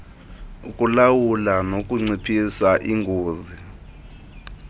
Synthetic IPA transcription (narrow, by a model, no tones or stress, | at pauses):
ukʼulawulanokʼuŋ͡ǀipʰisaʔiŋɡʱoːzi